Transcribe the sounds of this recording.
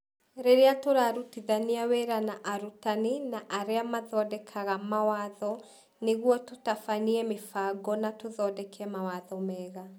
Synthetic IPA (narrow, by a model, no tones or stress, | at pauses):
ɾeɾeatoɾaɾutiðaniaweɾanaʔaɾutaninaʔaɾeamaðɔdɛkʰaɣamawaðɔ | neɣwɔtotafaniɛmefaɡɔnatoðɔdɛkeɛmawaðɔmɛɣa